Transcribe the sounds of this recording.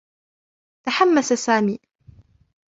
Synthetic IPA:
t̪aħamːasasaːmiː

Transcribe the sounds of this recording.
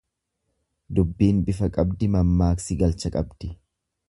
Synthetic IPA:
d̪ʊbːiːnbɪfɐkʼɐbd̪ɪmɐmːaːksɪɡɐlt͡ʃɐkʼɐbd̪̥ɪ

